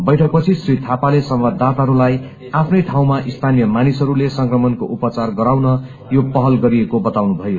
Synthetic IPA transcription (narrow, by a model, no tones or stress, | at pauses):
bʌjʈʰʌk̚pʌt͡sʰisrit̪ʰapalesʌmbad̪ʱːat̪aɦʌɾulaj | apʰnʌjʈʰaw̃maʔist̪ʰanijʌmanisɦʌɾulesʌŋkrʌmʌnkoʔupʌt͡sarɡʌɾawnʌ | jopʌɦʌlɡʌɾiekobʌt̪awnubʱʌjo